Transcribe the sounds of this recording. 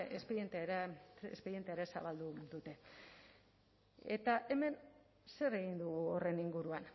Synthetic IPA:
espeɾjent̪eɾḛspe̞ɾit̪eaɾesa̰βald̪uðut̪e̞ | ḛt̪aʔe̞me̞n | se̞re̞ɣind̪uɣuore̞niŋɡuɾuan

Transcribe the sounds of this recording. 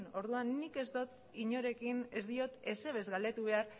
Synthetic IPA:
no̞ɾðuanːike̞zd̪o̞t̪ | iɲo̞ɾe̞kinezd̪io̞t̪e̞se̞β̞e̞zɣald̪e̞t̪uβ̞e̞aɾ

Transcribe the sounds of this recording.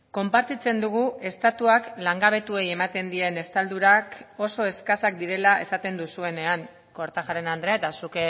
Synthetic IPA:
ko̞mpaɾt̪it͡se̞nd̪uɣ̞ue̞st̪at̪uaklaŋɡaβ̞e̞t̪ue̞je̞mat̪e̞nd̪ie̞ne̞st̪ald̪uɾako̞so̞e̞skasak̚d̪iɾe̞laʔe̞̰sat̪e̞nd̪usue̞ne̞aŋ | ko̞ɾt̪aʝaɾe̞nand̪ɾe̞aet̪asuke

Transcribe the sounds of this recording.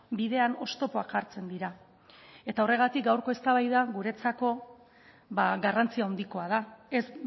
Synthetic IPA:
biðe̞ano̞st̪o̞po̞akaɾt͡se̞nd̪iɾa | e̞t̪ao̞re̞ɣ̞at̪ik̚ɡawɾko̞e̞st̪aβajðaɣuɾe̞t͡sako̞ | βaɣarant͡siaond̪iko̞að̞aes

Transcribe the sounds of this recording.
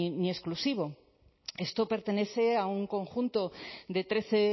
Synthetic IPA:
nie̞sklusiβ̞o̞ | e̞st̪o̞pe̞ɾt̪e̞ne̞θe̞auŋko̞ŋxunt̪o̞d̪e̞t̪ɾe̞θe

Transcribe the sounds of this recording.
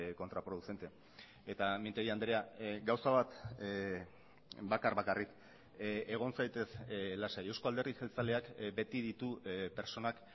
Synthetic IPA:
ko̞nt̪ɾapɾo̞ðuse̞nt̪e̞ | e̞t̪amint̪eɣiand̪eɾeaɡawsaβat̪ | bakaɾβakarik | e̞ɣ̞o̞nsajt̪e̞slasaewskoald̪erðiselt͡sale̞akbe̞t̪ið̞it̪upe̞ɾt͡so̞nak

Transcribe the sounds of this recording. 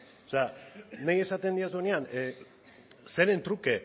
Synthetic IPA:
saneje̞sat̪e̞nd̪iasonean | seɾe̞nt̪ɾuke̞

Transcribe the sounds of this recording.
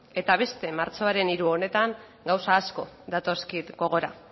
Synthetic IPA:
e̞t̪aβ̞e̞st̪e̞maɾt͡so̞aɾe̞niɾuo̞ne̞t̪aŋ | ɡawsaːsko̞ðat̪o̞skit̪ɡo̞ɣ̞o̞ɾa̰

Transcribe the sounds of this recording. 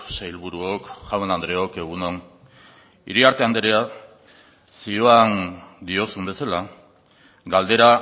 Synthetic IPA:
sejlβuɾuokʝawenand̪ɾe̞o̞ke̞ɣ̞uno̞n | ḭɾiaɾt̪e̞and̪eɾea | sioand̪io̞sumbe̞sala | ɡald̪e̞ɾa

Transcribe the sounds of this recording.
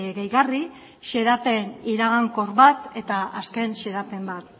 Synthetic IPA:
ɣejɣari | ʃe̞ɾape̞niɾaɣaŋko̞ɾβat̪e̞t̪aaske̞nʃe̞ɾape̞mbat̪

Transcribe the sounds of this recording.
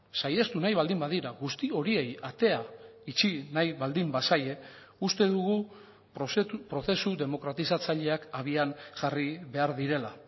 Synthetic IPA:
saje̞st̪unajβald̪imbaðiɾaɣust̪io̞ɾie̞jat̪e̞ait͡ʃinajβald̪imbasaje̞ | ust̪e̞ðuɣu | pɾo̞θe̞suðe̞mo̞kɾat̪isat͡saʎe̞akaβianʝariβe̞aɾðiɾe̞la

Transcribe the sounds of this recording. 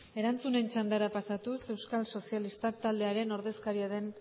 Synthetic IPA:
e̞ɾant͡sune̞nt͡ʃand̪aɾapasat̪use̞wskalso̞sialist̪ak̚t̪ald̪e̞aɾe̞no̞ɾðe̞skaɾiaðe̞n

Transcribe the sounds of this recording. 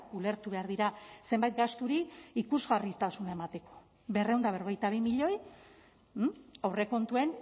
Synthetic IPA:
ule̞ɾt̪uβe̞aɾðiɾase̞mbajt̪̚ɡast̪uɾiikuzɣarit̪asunaemat̪e̞ko̞̥ | be̞rewnd̪aβeɾoɣ̞ejt̪aβ̞imiʎo̞j | awre̞ko̞nt̪ue̞n

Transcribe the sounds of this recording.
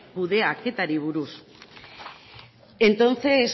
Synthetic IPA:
kuðe̞ake̞t̪aɾiβ̞uɾus | e̞nt̪o̞nt͡se̞s

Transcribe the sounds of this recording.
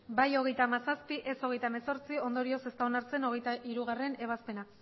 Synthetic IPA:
bajo̞ɣ̞e̞jt̪aːmasaspiʔe̞so̞ɣ̞e̞jt̪ame̞so̞ɾt͡sio̞nd̪o̞ɾio̞se̞st̪aonaɾt͡se̞no̞ɣ̞e̞jt̪aʔiɾuɣ̞are̞ne̞β̞aspe̞na

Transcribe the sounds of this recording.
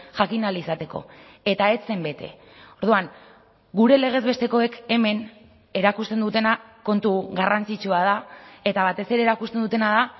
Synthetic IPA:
ʝakinalisat̪e̞ko̞̰ | e̞t̪ae̞t͡se̞mbe̞t̪e̞̰ | oɾð̞uaŋ | ɡuɾe̞le̞ɣ̞e̞zβe̞st̪e̞ko̞eke̞me̞n | e̞ɾakust̪e̞nd̪ut̪e̞nako̞nt̪uɣarant͡sit͡ʃuaðae̞t̪aβ̞at̪e̞se̞ɾe̞ːɾakust̪e̞nd̪ut̪e̞naða

